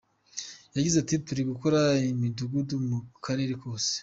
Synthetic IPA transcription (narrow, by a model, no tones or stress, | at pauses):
jaɟizatituɾiɡuko̞ɾaimiduɡudumukʰaɾe̞ɾeko̞ːse̥